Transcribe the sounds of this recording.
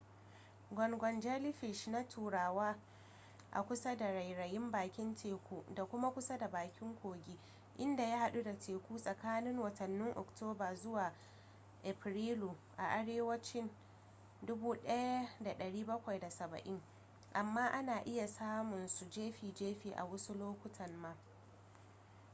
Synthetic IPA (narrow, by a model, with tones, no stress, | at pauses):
ɡʷɔ˨nɡʷɔ˨nd͡ʒa˦lɪ˦ɸɪ˨ʃna˦tʰuː˨ɽaː˨waː˦ | ʔa̰˨kʷʊ˦sa˦da˨ɽa˨jɽɐ˨jɪ˦mbaː˨kʲɪ˦ntʰeː˨kʷuː˦da˨kʷʊ˦ma˦kʷʊ˦sa˦da˨baː˨kʲɪ˦ŋkʷoː˨ɡʲi˦ | ʔɪ˦nda˨ja˦ha˨ɗu˦da˨teː˨kʷuː˦sʼɐ˨kaː˦nɪ˦ŋwɐ˨tɐ˨nːɪ˦ŋʔɔ̰˨ktʰoː˦baː˨zʊ˦waː˨ | ʔɛ˨ɸɾiː˦luː˨ʔa˨ʔa˨ɽeː˦wɐ˦t͡ʃɪ˦n | dʊ˦buː˦ɗɐ˦ja˦da˨ɗɐ˨ɽiː˦bɐ˦kʷa˨jda˨sɐ˨bɐ̰˨ʔɪ˦ŋ | ʔa˨mːaː˦ʔa˦naː˨ʔɪ˦ja˨saː˦mʊ˨nsu˨d͡ʒeː˦ɸiː˨d͡ʒeː˦ɸiː˨ʔa̰˨wʊ˦su˦loː˦kʷʊ˦tʰɐ˨nːaː˦